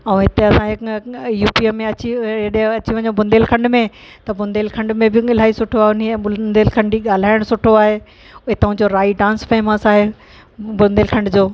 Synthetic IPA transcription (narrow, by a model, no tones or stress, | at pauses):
ɛ̃ɦɪt̪eɐsãjuːpiːəmẽɐt͡ɕiɐɗɦɪ̃ɐt͡ɕiʋɐ̃ɲõbʊ̃nd̪eːlkʰɐ̃ɳɖmẽ | t̪ɐbʊ̃nd̪eːlkʰɐ̃ɳɖmẽbɪɪl̤aːisʊʈʰoaːɦeʊnieʊnd̪eːlkʰɐ̃ɳɖiɠaːl̤aːɪɽ̃sʊʈʰoaːɦe | ʊɦet̪ɐʋ̤ãd͡ʑoːɾaːiɖãːnsfeːməsaːɦe | bʊnd̪eːlkʰɐ̃ɳɖd͡ʑoː